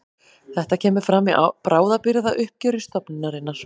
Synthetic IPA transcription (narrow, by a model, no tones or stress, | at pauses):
θɛht̪acʰɛːmʏɾ̥fɾamːia̰pɾaːwðapɪɾɪðaʔʏhp̚cœːɾɪst̪ɔpnɪnaɾɪnːaɾ̥